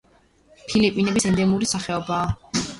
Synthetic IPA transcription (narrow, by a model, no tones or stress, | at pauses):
pʰilipʼinɛbisɛnd̪ɛmuɾisaχɛɔbaː